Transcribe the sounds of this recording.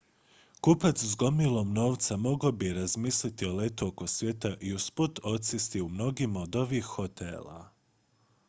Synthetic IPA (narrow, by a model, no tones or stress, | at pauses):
kupat̪szɡo̞milˠo̞mno̞ːʋt̪samo̞ɡobiɾazmiːslit̪io̞le̞t̪uoko̞sʋʲje̞t̪aʔiusput̪o̞t̪sist̪iumno̞ɡimaod̪o̞ʋiːxho̞t̪ḛːla̰